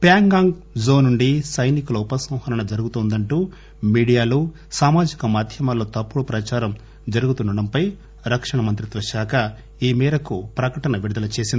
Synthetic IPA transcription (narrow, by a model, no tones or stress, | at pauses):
pjaːŋɡaːŋɡzo̞ːnuɳɖisɐjnikulɐupɐsɐ̃w̃hɐɾɐɳɐd͡ʒɐɾuɡut̪ɔːnd̪ɐɳʈuː | miːɽijaːluː | saːmaːd͡ʒikɐmaːd̪ʱjɐmaːlːoːt̪ɐpːuɽupɾɐt͡ʃaːɾɐm | d͡ʒɐɾuɡut̪unɖɐɽɐmpɐj | ɾɐkʂɐɳɐmɐnt̪ɾid̪ʋɐʃaːkʰɐ | iːmɛːɾɐkupɾɐkɐʈɐnɐʋiɾud̪ɐlɐt͡ʃe̞ːsind̪i